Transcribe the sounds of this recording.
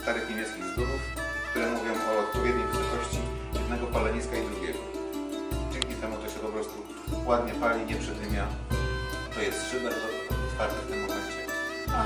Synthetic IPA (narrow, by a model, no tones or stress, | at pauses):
st̪aɾɘxɲʲimʲjɛ̃sk̪ʲikt̪uɾuf | kt̪uɾɛmuvʲjɔ̃w̃ʔɔːt̪̚pɔvʲjɛd̪̚ɲɛjpɛt̪ɔɕt͡ɕi | jɛd̪nɛɡɔpalɛɲiskaid̪ɾuɡʲjɛ̰ɡɔ | d͡ʑɛŋkʲit̪ɛmut̪ɔɕɛpɔpɾɔst̪u | wad̪ɲɛpalʲiɲɛpʂɛd̪vʲɘmʲjanɔt̪ɔjɛst̪ʂɘd̪ɛt̪ɔ | ɔt̪faɾt̪ɛft̪ɘmːɔmɛɲt͡ɕɛ | a